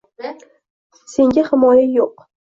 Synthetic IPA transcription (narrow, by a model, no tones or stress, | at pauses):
se̞ŋɡʲahɪmɒjajoq